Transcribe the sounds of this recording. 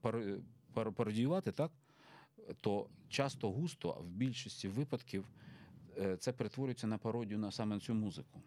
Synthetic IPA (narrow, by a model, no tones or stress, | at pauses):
pɐɾpɾpɐɾɔdʲijʊʋɑt̪ɪt̪ɑk | t̪ɔt͡ʃɑst̪ɔɦust̪ɔ̰wbʲilʲʃisʲtʲiʋɪpɐd̪kʲiw | t̪sɛpeɾet̪ʋɔɾʊɪjt͡sʲːɐnɐpɐɾɔdʲjʊnɐsɑmɛnt͡sʲumuzɪkʊ